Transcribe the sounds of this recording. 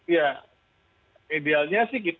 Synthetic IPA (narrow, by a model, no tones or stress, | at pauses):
ja | idealɲasɪhkit̪